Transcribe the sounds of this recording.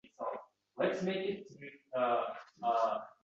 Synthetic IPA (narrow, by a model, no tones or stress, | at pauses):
so | lətsmeɪkɪtʰːɨʌʌ